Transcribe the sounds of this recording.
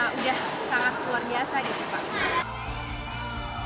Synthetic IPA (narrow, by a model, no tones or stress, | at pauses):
udah | saŋat̪luarbiasaɡit̪upa̰ʔɲa